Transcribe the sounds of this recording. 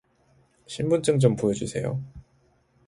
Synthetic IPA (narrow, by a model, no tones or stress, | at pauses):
ɕʰimbunt͡ɕ͈ɯmt͡ɕompojʌd͡ʑisʰe̞̰jo̰